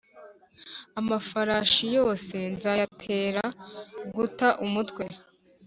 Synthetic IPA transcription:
amafaɾaːʃijo̞ːse̞nzatʰe̞ːɾaɡutaʔumutkwe̞

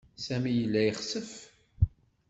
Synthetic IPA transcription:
sæmijəlːæjiχsəf

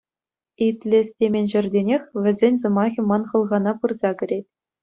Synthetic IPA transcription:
itʲlʲĕsʲtʲemʲenʲʑɘ̆rʲdʲenʲexʲʋʲɘ̆zʲenʲzɤ̆mɑɣʲɤ̆mɑnχɤ̆lˠʁɑnɑpɯrzɑkʲɘ̆ɾʲetʲ

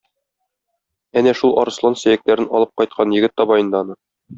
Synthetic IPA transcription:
ænæʃulˠʔɒ̰ɾɤ̆slˠɑnsæ̆jæk̚t̪æɾɘnɒlˠɤp̚qɒjt̪̚qʰɑnjɘ̆ɡɘt̪ːɒbɑjɤ̆nd̪ɑnɤ

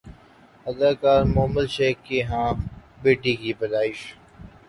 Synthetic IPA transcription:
əd̪aːkaːɾmoɦməlʃeːkːeːɦãː | beːʈiːkiːbəlaːɪʃ

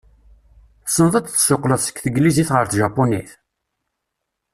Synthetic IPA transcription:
sənðˤæt͡sθə̥soqləðˤsə̥kːθəɡliziθʁəɾθʒɑpːoniθ

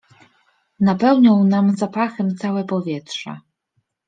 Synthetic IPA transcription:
napɛwɲɔ̃w̃namzapaxɛmt̪sawɛpɔvʲjɛt̪ʂɛ̰

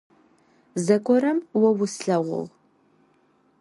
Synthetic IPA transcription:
zɐkʷʼɔɾɐmwɐwʊsɬɐʁʷʊ̰l

